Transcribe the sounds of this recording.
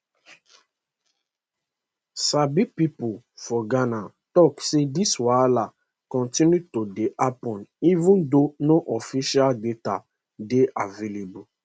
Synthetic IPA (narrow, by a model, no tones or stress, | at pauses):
sabipipo | fɔɡana | tɔksediswala | kɔ̃ntĩnjutodeʔapɔ̃nivũndonoʔɔfiʃialdeta | deʔavelebu